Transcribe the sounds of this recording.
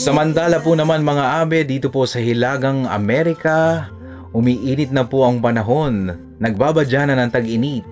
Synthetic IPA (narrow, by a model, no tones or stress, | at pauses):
sɐmɐnt̪aːlɐpunɐmanmɐŋaʔaːbɛd̪iːt̪oposɐhɪlaːɡɐŋɐ̰mɛɾɪkɐ | hʊmiːʔiːnɪt̪̚nɐpoʔɐŋpɐnɐɦo̞nː | ɐɡ̚baːbɐd͡ʒaːnɐnɐŋt̪ɐɡʔɪni